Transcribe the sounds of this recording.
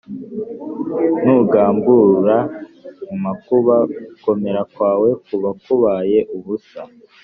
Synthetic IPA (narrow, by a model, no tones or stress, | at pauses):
nuɡaːmbuɾa | umakuβako̞me̞ɾakwaːwe̞kuβakuβaːje̞ʔuβusa